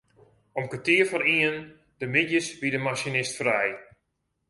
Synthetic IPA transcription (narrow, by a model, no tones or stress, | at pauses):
ɔmkatiəfɔɾiən | dəmɪdjəsbidəmasinɪstfrɛj